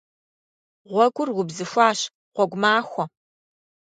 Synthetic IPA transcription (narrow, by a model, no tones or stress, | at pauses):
ʁʷɔɡʷʊrwʷʊbzɨxʷaːɕ | qʷɔɡʷʊmaːxʷɔ